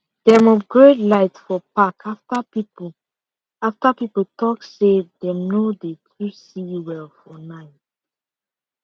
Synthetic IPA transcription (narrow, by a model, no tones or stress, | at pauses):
dɛ̃mɔfɡɹetlaɪtfɔpakʰaftapip | aftapipotʰɔksedɛ̃mnodetʰɹusiwɛlfɔnaɪt